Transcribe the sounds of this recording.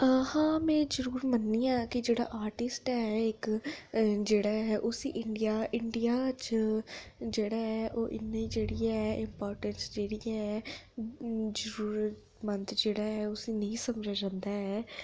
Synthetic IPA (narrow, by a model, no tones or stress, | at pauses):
hãːmɛ̃ːd͡ʒəɾuːɾmənːiːãːkɪd͡ʒeːɽa̰ːʔaːɾʈɪsʈɛːɪk | d͡ʒeːɽaːɦɛːʔʊsḭːʔɪɳɖijaːʔɪɳɖijaːt͡ʃ | d͡ʒeːɽaːɛːʔoːʔɪ̰nːaːĩːd͡ʒeːɽiːɛːɛːʔɪmpɔːɾʈənsd͡ʒeːɽijɛːɛː | d͡ʒəɾuːɾət̪ | mənt̪d͡ʒeːɽaːɛːʊsĩːnəĩːsəmd͡ʒaːd͡ʒãːnd̪aːɛː